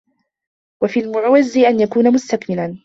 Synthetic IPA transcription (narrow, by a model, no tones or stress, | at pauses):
wafiːlmʊʕawazːɪʔanjakuːnamʊst̪akmɪlan